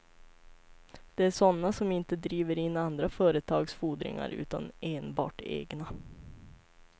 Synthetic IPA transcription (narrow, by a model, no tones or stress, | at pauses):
d̪̥ɛæʂɔnːasɔmɪnt̪əd̪ɾiːʋəɾɪnːand̪ɾafœːɾət̪ʰɑːɡsfuːd̪ɾɪ̰ŋa̰ɾʉ̟̰ːt̪a̰neːnbɑ̰ːʈḛːɡna